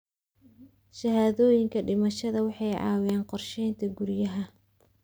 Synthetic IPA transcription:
ʃɐɦaːðɔːjɪŋkʰɐɖɪmɐʃɐðɐwɑħɑjʕɑ̰ːwjɛːnqɔrʃɛjnt̪ʰɐɡʊɾjɐɦɐ

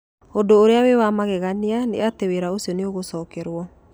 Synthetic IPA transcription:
odoːɾeawewamaɣɛɣanianḛateweɾaosjɔneoɣosɔːkɛɾwɔ

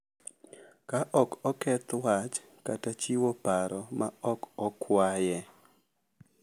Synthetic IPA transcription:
kaʔɔkɔkɛt̪wat͡ʃ | katat͡ʃiwopaɾɔmaɔkɔkʰwajɛ

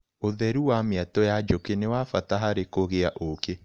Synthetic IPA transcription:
oðɛɾuwameatɔjad͡ʒokenewafataɦaɾekoɣeaʔoke

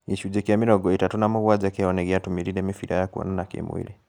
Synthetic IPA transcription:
iʃud͡ʒɛkiamiɾɔɡɔitatunamuɣwad͡ʒakiɔnɛɣiatumiɾiɾɛmifiɾajakuɔ̰nanakḭmwḭɾi

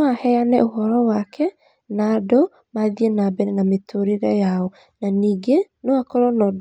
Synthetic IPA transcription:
ahɛanɛʔoɦɔɾɔwakʰɛ | naːdo | maðienabɛɾɛnametʰoɾeɾɛjaɔ | naniːɡenoakɔɾɔnɔd

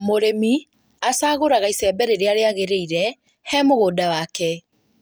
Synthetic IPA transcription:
moɾemi | asaːɣoɾaɣaisɛːbɛɾeɾeaɾeaɣeɾeiɾɛ | hɛːmoɣoːdawaːkɛ

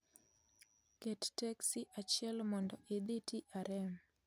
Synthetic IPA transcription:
kɛttɛksiʔat͡ʃjɛlmɔndɔʔed̪itiʔaɾɛm

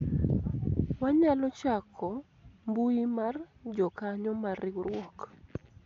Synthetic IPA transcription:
waɲalɔt͡ʃakʰɔ | mbuimard͡ʒɔkaɲɔmarɪwɾwɔk

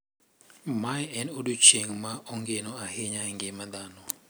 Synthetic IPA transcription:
majɛnodut͡ʃeŋmaɔŋɡenɔahɪɲaŋɡɪmad̪anɔ

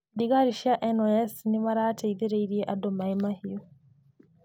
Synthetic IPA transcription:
diɡaɾiʃiaʔenoesnimaɾateiðeɾeiɾieʔadomaemahijo

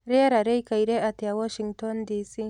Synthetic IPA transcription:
ɾeaɾaɾejkajɾeʔat̪ijawɔʃiŋtɔnd̪isi

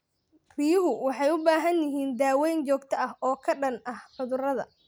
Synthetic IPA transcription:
r̥ɪjʊɦʊwɑħɑjʊbaːɦɐnjɪɦiːnd̪aːwɛjnt͡ʃɔːɡt̪ʰɐʔɐhɔːkʰɐɖɐnɐhħʊðʊrɐðɐ̰

